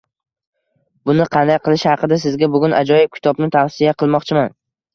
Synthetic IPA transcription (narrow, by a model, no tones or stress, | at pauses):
bʊnɪqʰɑnd̪ajqʰɨlˠɪʃhɑqɨd̪asɪzɡʲabʊɡʲʊnʔa̰d͡ʒɒjɪb̚kʲɪ̥t̪ʰɒbnɪt̪ʰafsijaqʰɨlˠmɒqt͡ʃʰɪman